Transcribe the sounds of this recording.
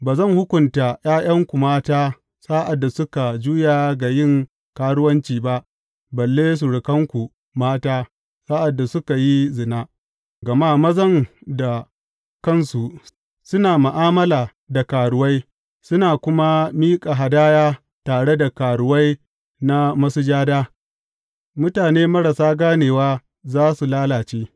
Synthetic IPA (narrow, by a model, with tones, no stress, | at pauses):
baː˨zɐ˦˨ŋhʊ˦kʷʊ˨nta˨j̰aː˦j̰ɐ˦ŋkʷu˨maː˦taː˦ | sa˦ʔa˨dːa˨sʊ˦ka˨d͡ʒuː˦jaː˨ɡa˨jɪ˦˨ŋ | kaː˦ɽʊ˦wɐ˦nt͡ʃiː˨ba˦ʔ | bɐ˨lːeː˦s̬u˨ɽɪ˨kɐ˦ŋkʷu˨ | maː˦taː˦ | saː˦ʔa˨dːa˨sʊ˦ka˨ji˦zɪ˨naː˦ | ɡɐ˨maː˦mɐ˦zɐ˦ŋda˨ | kɐ˦˨nsu˨ | sʊ˦naː˨mʊ˨ʔaː˦mɐ˦laː˨ | da˨kaː˨ɽʊ˨˦wa˦j | sʊ˦naː˨kʷʊ˦ma˦miː˦kʼa˨ɦa˨daː˦jaː˦ | taː˨ɽe˦da˨kaː˨ɽʊ˨wa˦j | na˦mɐ˦su˦d͡ʒaː˦daː˦ | mʊ˦taː˨neː˦mɐ˦ɽa˨saː˦ɡaː˦neː˨waː˦ | zaː˦su˨laː˦laː˨t͡ʃeː˦